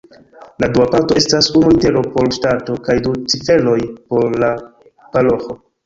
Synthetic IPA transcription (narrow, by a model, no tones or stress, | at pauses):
laduapaɾto̞e̞stasunuite̞ɾo̞po̞ɾʃtato̞kajdut͡sife̞lo̞jpo̞ɾːa | palo̞xo̞